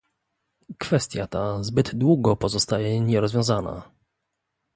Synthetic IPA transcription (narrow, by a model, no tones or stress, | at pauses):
kfɛst̪ʲjat̪azbɘd̪d̪wuɡɔpɔzɔst̪ajɛɲɛɾɔzvjɔ̃w̃zana̰